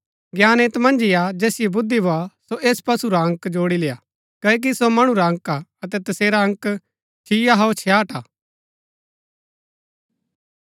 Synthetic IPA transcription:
ɡjaːneːt̪mɐ̃nd͡ʒijad͡ʒɛːsɪjebʊd̪ːiboasoʔeːspɐsuɾaə̃ŋkd͡ʒoːɽileːa | kɐk̬isomɐɽ̃ũɾaə̃ŋkaɐt̪ɛt̪ɐseːɾaɐ̃ŋk | t͡ʃʰijaɦɐot͡ʃʰjaːʈaː

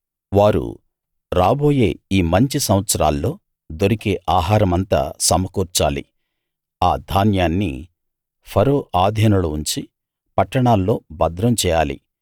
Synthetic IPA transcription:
ʋaːɾṵ | ɾaːboːje̞ːiːmɐɲt͡ʃisɐmʋɐt̪sɐɾa̰ːlːo̞ː | d̪oɾikeːʔaːɦaːɾɐmɐnt̪a̰ːsɐmɐkuːɾt͡ʃa̰ːlḭ | aːd̪ʱaːnjaːnːḭ | pʰɐɾoːʔaːd̪ʱjɐnɐluuɲt͡ʃi | pɐʈːɐɳaːlːo̞ːbɐd̪ɾɐmt͡ʃɛːjaːlḭ

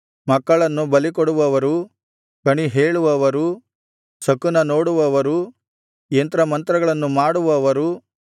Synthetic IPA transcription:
mɐkːɐɭɐnːubɐlikoɽuʋɐʋɐɾu | kɐɳiɦeːɭuʋɐʋɐɾu | sɐkːunɐno̞ːɽuʋɐʋɐɾu | jent̪ɾɐmɐnt̪ɾɐɡɐɭɐnːumaːɽuʋɐʋɐɾu

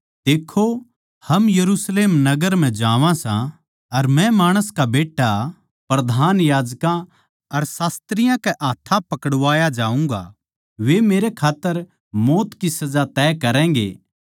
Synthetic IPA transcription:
d̪eːkʰːo | hɐmjɐɾusleːmnɐɡəɾm̤ɛ̃d͡ʒaːʋãsã | ɐɾmɛ̃maːɽ̃əskabeːʈːa | pɾɐd̪ʱaːnjaːd͡ʒkã | ɐɾsaːst̪ɾɪjãkɛʔaːt̪ʰːãpɐkəɽʋaːjad͡ʒaːũŋɡa̰ | ʋemeːɾekʰaːt̪ːəɾ | moːt̪kisɐd͡ʒat̪ɛːkɐɾɛ̃ːɡḛː

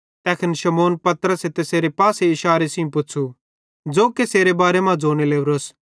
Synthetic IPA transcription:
t̪ɛːkʰɪnʃɐmoːnpɐt̪əɾəset̪eseːɾepaːseɪʃaːɾesɪũpʊt͡ʃʰu | d͡zoːkeseːɾebaːɾemãd͡zoːñeleːʋɾos

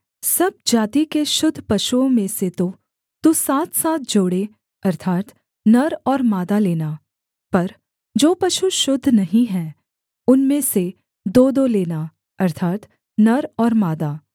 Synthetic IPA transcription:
sɐb̚d͡ʒaːt̪ikeʃʊd̪ʱːpɐʃuõmẽset̪o | t̪usaːt̪ʰsaːt̪̚ʰd͡ʒoːɽe | ɐɾt̪ʰaːt̪ | nɐɾɔːɾmaːd̪aleːna | pɐɾ | d͡ʒoːpɐʃuʃʊd̪ʱːnɐɦĩɦɛ̃ː | ʊnmẽse | d̪oːd̪oleːna | ɐɾt̪ʰaːt̪ | nɐɾɔːɾmaːd̪aː

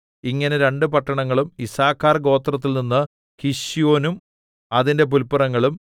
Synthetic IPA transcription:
iŋːɐneɾe̞ɳɖɨpɐʈːɐɳɐŋːɐɭumisaːkːaːrɡo̞ːt̪rɐt̪̬ːilninːɨ | kiʂijo̞ːnum | ɐðinde̞p̬ulpːɐrɐŋːɐɭum

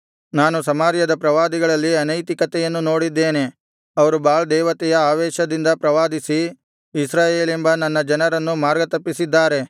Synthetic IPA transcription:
naːnusɐmaːɾjɐd̪ɐpɾɐʋaːd̪iɡɐɭɐlːiɐnɐjt̪ikɐt̪ɛjɐnːuno̞ːɽid̪ːeːne̞ | ɐʋɐɾubaːɭd̪ɛːʋɐt̪ɛjɐaːʋɛːʃɐd̪ind̪ɐpɾɐʋaːd̪isiː | sɾaːjeːlembɐnɐnːɐd͡ʒɐnɐɾɐnːumaːɾɡɐt̪ɐpːisid̪ːaːɾe̞

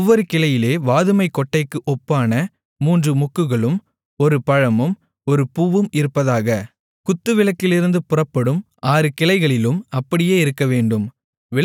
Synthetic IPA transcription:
ʋːɔɾɯkɪlɐjɪleːʋaːðɯmɐɪkːɔʈːɐɪkːɯʔɔpːaːnɐ | muːndrɯmɔkːɯɣɐɭɯm | ɔɾɯpɐɻɐmɯm | ɔɾɯpuːʋɯmɪɾɯpːɐðaːɣɐ | kʊt̪ːɯʋɪɭɐkːɪlɪɾɯnd̪ɯpʊrɐpːɐɽɯm | ʔaːɾɯkɪlɐɪɣɐɭɪlɯmɐpːɐɽɪjeːɪɾɯkːɐʋeːɳɖɯm | ʋɪ

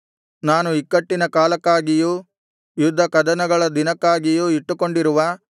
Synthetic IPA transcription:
naːnuikːɐʈːinɐkaːlɐkːaːɡijuː | jud̪ʱːɐkɐd̪ɐnɐɡɐɭɐd̪inɐkːaːɡijuiʈːuko̞ɳɖiɾuʋɐ

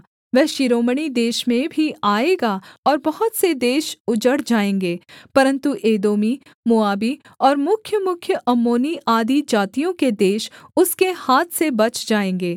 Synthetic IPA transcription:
ʋɛɦʃɪɾoːməɽ̃id̪eːʃmẽbʱiaːeːɡaɔːɾbɐɦʊt̪sed̪eːʃʊd͡ʒəɽd͡ʒaːẽːŋɡeːpɐɾə̃nt̪uʔeːd̪oːmi | mʊaːbi | ɔːɾmʊkʰjəmʊkʰjəʔɐmːoːniʔaːd̪id͡ʒaːt̪ijõked̪eːʃʊskehaːt̪ʰsebɐt͡ʃd͡ʒaːẽːŋɡeː

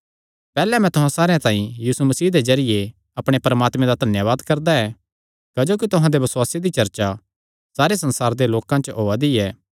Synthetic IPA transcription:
pɛːlɛm̤ɛ̃t̪ʊɦãsaːɾejãt̪ãːĩjiːsumɐsiːd̪ezɐɾɪje | ɐpɽ̃epɐɾəmaːt̪mẽd̪ad̪ʱɐnjəʋaːd̪kɐɾd̪aɛ | kɐd͡ʒoːkit̪ʊɦãd̪ebɐsʊwaːsed̪it͡ʃɐɾt͡ʃa | saːɾesɐ̃nsaːɾd̪eloːkãt͡ʃɦoːad̪iɛː

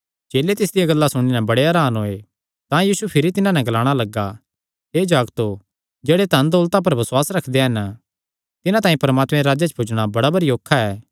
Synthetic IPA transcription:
d͡ʒeːlet̪ɪs̬d̪ijaɡɐlːasʊɽ̃inɛ̃bɐɽeɐɾaːnɦoːe | t̪ãjiːsupʰɪɾit̪ɪnãnɛ̃ɡɐlaːɽ̃alɐɡːa | ɦeːd͡ʒaːɡt̪o | d͡ʒeːɽet̪ɐnd̪ɔːlt̪ãp̬ɐɾbɐswaːsɾɐkʰd̪eɦɐn | t̪ɪnãt̪aːĩpɐɾmaːt̪mɛ̃ɾaːd͡ʒat͡ʃpʰʊd͡ʒɽ̃abɐɽabɐɾioːkʰːaɛː

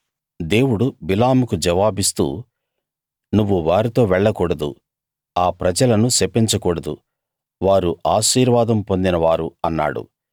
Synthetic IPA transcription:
d̪e̞ːwuɽubilaːmukud͡ʒɐʋaːbist̪ṵː | nuʋːuʋaːɾit̪o̞ːʋɛɭːɐkuːɽɐd̪ṵ | aːpɾɐd͡ʒɐlɐnusepːiɲt͡ʃɐkuːɽɐd̪ṵ | ʋaːɾuʔaːʃiːɾʋaːd̪ɐmpond̪inɐʋaːɾuɐnːa̰ːɽṵ

